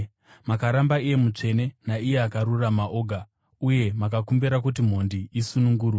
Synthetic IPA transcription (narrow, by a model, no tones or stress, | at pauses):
makaɾambaije̞mut͡ʂe̞ne̞naije̞akaɾuramaʔo̞ːɡʱa | uje̞makakumbiɾak̬utim̤o̞ndiʔisunuŋɡuːrwe